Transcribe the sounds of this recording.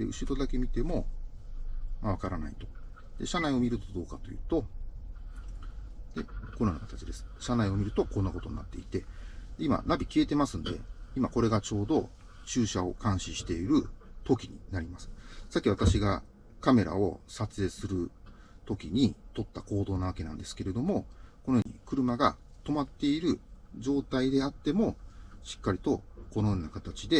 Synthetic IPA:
d̪eɯ̟ɕiɾo̞d̪ake̞mʲit̪e̞mo̞ | maβ̞akaɾana̰it̪o̞̥ | d̪̥e̞̰ɕanaio̞mʲiɾɯ̟t̪o̞d̪o̞ːkat̪o̞jɯ̟̰ːt̪o | d̪e̞̰konanokat̪at͡ɕid̪e̞sɨ̥ɕanaio̞mʲiɾɯ̟t̪o̞konːako̞t̪oɲnat̪ːe̞it̪e̞d̪eima̰nabʲikʲie̞t̪e̞masɨ̃nd̪e̞̰imako̞ɾe̞ɡat͡ɕo̞ːd̪o̞ | t͡ɕɨːɕao̞kãɰ̃ɕĩɕi̥t̪e̞iɾɯ̟t̪o̞kʲiɲ̟ḭnaɾʲimasɨ̥sakʲːiβat̪aɕiɡa̰ | kame̞ɾa̰o̞̰sat͡sɨe̞ːsɨɾɯ̟ | t̪o̞kʲiɲ̟it̪o̞t̪ːako̞ːd̪o̞ːnaβ̞ake̞nã̰nd̪e̞sɨ̥ke̞ɾe̞d̪o̞mo̞ko̞nojoːɲḭkɯ̟ɾɯ̟maɡa | t̪o̞mat̪ːe̞iɾɯ̟ | d͡ʑo̞ːt̪aid̪e̞at̪ːe̞mo̞ɕi̥kːaɾʲit̪o̞kono̞jo̞ːnakat̪at͡ɕid̪e̞

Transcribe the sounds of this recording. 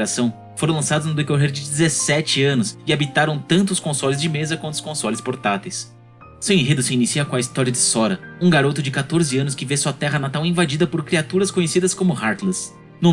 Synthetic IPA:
ɾasɐ̃w̃ | foɾɐ̃w̃lɐ̃sad̪ʊznʊd̪ekoɦeɾd͡ʒɪd͡ʒɪzesɛt͡ʃɪɐ̃nʊsɪabit̪aɾɐ̃w̃t̪ɐ̃nt̪ʊskõsɔlɪzd͡ʒɪmezɐkwɐ̃nt̪ʊskõsɔlɪspoɾt̪at̪ejs | sẽw̃ĩɦed̪ʊsɪinisiɐkõɐist̪ɔɾiɐd͡ʒɪsɔɾɐũɡaɾot̪ʊd͡ʒɪkat̪oɾzɪɐ̃nʊskɪvesuɐt̪ɛɦɐnat̪awĩvad͡ʒid̪ɐpoɾkɾiat̪uɾɐskõɲesid̪ɐskõmʊhaɾt̪lɛs | nũ

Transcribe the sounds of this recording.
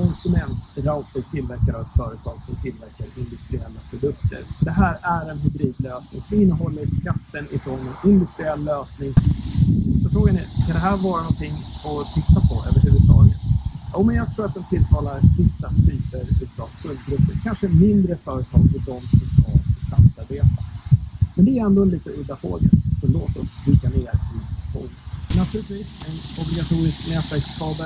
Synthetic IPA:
kʰɔnsɵmɛnt̪ɾaʊt̪ət̪ʰɪlvæɾkad̪avɛt̪fœːɾət̪ʰɑːɡsɔmt̪ʰɪlvæɾkaɾɪnd̪ɵst̪ɾɪɛlːapʰɾʊd̪ɵk̚t̪ʰə̰ɾsɔd̪ɛɦæːɾæɾɛnɦɵbɾiːd̪løːsnɪ̰ŋsɔmɪnːəɦɔlːəɾkʰɾaft̪ːənɪfɾɔnɪnd̪ɵst̪ɾɪɛlːøːsnɪŋ | sɔfɾoːɡanɪkʰand̪ɛɦæːɾvɑːɾanɔnt̪ʰɪŋːɔt̪ʰɪt̪ːapʰɔø̰ːvəɾhʉ̟vət̪ʰɑ̰ːɡət̪joːmɛnjɑːɡ̚t̪ʰɾuːɾat̪̚d̪ɛnt̪ʰɪlt̪ʰɑːlaɾvɪsːat̪ʰyːpəɾʉːt̪ɑfkʰɵlt̪̚ɾɵpːəɾkʰanʂəmɪnd̪ɾəfœːɾət̪ʰɑ̰ːɡ̚fʰɪld̪ɔmsɔmskabɪst̪a̰nsaɾbeːt̪amɛnd̪ɛæɾɛnd̪ɔɛnliːt̪əɵd̪afɾo̰ːɡa̰sɔmloːt̪ɔslɪɡːaneːɾɪɧo̰ːnənnat̪ʰʉːlɪt̪viːsɛnɔblɪɡat̪ʰuːɾɪsknɛːt̪væɾkskʰɑːbə

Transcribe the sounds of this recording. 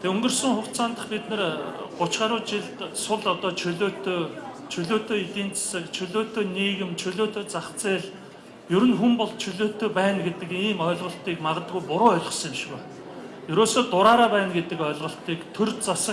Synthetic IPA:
t̪ʰeɵŋɡɵ̆rsə̆ŋχʊkt͡saːnt̪ə̥̆χpit̪nɘ̆rɢ̥ʊt͡ɕχaːɾʊːt͡ɕiɮt̪sʊɮɔt̪ɔːt͡ɕʰɵɮoːt̪oː | t͡ɕʰɵɮoːt̪oːit̪iːnt͡sḁsə̆kt͡ɕʰɵɮoːt̪oːniːɣɘ̆mt͡ɕʰɵɮoːt̪oːt͡saχt͡seːɮ | jɵɾɘ̆nxumpɔɮt͡ɕʰɵɮoːt̪oːpæːnɡet̪ɘ̆kiːmɔːɮʁɞ̆ɬt̪iːkmaʁə̆t̪ɡujpʊɾʊːœɮʲɞ̆səŋɪ̆mʃɣæː | jɵɾoːsoːt̪ʊɾaːɾaːpæːnɡet̪ɘ̆kœːɮʁɞ̆ɬt̪iːkt̪ʰɵrt͡sasə̆

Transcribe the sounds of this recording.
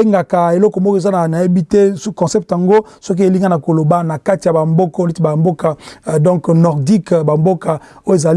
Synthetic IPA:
eŋɡakaelɔkɔmokzananajebitekɔ̃sɛp̚tjaŋɡosɔk̬ieliŋɡanakolobanakatijabambokɔlitibambokadɔ̃ŋknɔʁdikbambokaoezal

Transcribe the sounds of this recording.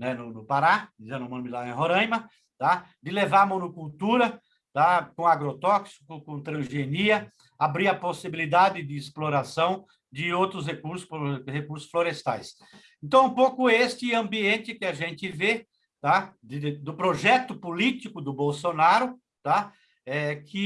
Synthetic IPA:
nɛnʊnʊpaɾad̪izẽnd̪ʊmɐ̃nʊmilaẽɦoɾɐ̃jmɐ | t̪ad̪ɪlevaɾɐmõnʊkult̪uɾɐ | t̪akõaɡɾot̪ɔksi̥kʊkõt̪ɾɐ̃ʒeniɐ | abɾiɾɐposibilid̪ad̪ɪd̪ɪːsploɾasɐ̃w̃ | d͡ʒ̪ɪowt̪ɾʊs̬hekuɾsʊ̥pohekuɾsʊ̥sfloɾest̪a̰js | ẽnt̪ɐ̃w̃ũpowkʊest͡ʃ̪ɪɐ̃mbiẽnt̪ɪkɪaʒẽnt̪ɪve | t̪ad̪ɪd̪ʊpɾoʒɛt̪ʊpolit̪ikʊd̪ʊbowsonaɾʊ | t̪a | ɛkʰɪ

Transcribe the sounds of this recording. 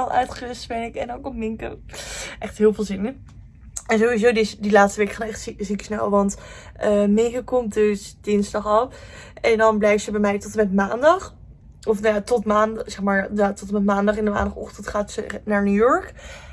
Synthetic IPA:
alˠœ̰ɥtχəɪstbɛnɪkɛndɑnkɔmmɪŋko̰wʔɛχtɦɪːlˠvɪːlˠzɪnə | ɛnzowʋizowdɪsdilaːtstəʋejkχaːdnɛχtszikə̥snɛ̰lˠʋɑnt | əmejkəkɔmdøsd̥ɪnzdɑχɑlˠɛndɑnblɛjftsəbɛjmɛjtɔtəmɛtmaːndɑχ | ɔfnajaːtɔtmaːnsɛχmaːɹatɔtəmɛtmaːndɑχɛndəma̰ːndɑχɔ̰χtəntχaːtsənaːɹnuːjɔɹk

